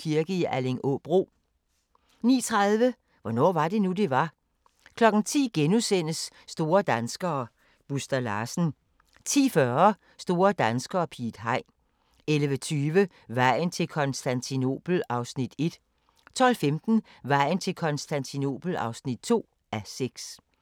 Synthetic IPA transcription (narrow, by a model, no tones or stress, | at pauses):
kʰiɐɡ̥əiʔæle̝ŋʔɔ̰b̥ʁo̝̰ː | nḭːt͡sʰʁɑðˠʋə | ʋɒnɒ̰ːʋɑ̈d̥e̝nud̥e̝ʋɑ̈ | kʰlɒ̽ɡ̥n̩t͡sʰḭːɡ̥enusen̰əsːd̥o̝ːɐd̥ænsɡ̥ɐː | b̥usd̥ɐlɑ̈ːsn̩ | t͡sʰḭːfɶɐ | sd̥o̝ːɐd̥ænsɡ̥ɐːpʰḭːd̥ɦɑ̈ɪ̰ | elʋət͡sʰyːʋə | ʋɑ̈ɪ̰n̩t͡sʰe̝lkʰɒ̽nsd̥ænt͡sʰino̝̰ːb̥l̩ɑ̈ʊsnid̥e̝d̥ | t͡sʰɒ̽l̰femd̥n̩ | ʋɑ̈ɪ̰n̩t͡sʰe̝lkʰɒ̽nsd̥ænt͡sʰino̝̰ːb̥l̩ɑ̈ʊsnid̥̚t͡sʰo̝̰ː | æseɡ̥s